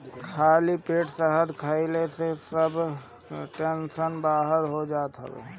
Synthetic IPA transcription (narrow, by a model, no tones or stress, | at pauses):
kʰaːlipeːʈsəɦəd̪kʰaːilesesəb | ʈẽnʃənbaːɦəɾɦod͡ʒaːt̪ɦə̰ʋḛː